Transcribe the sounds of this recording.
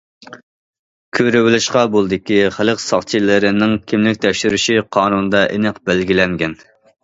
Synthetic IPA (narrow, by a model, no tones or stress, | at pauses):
kʲʰøɾɪwɪlɪʃqɑbolˠɨd̪ɪkʲiχæləqsɑ̰χt͡ʃʰilɪɾɪnɪŋkʲʰimlɪkʲt̪ʰɛkʲʃyɾyʃiqʰɑːnunɨd̪ɑʔḛnɨqbælɡʲilɛŋɡʲɛn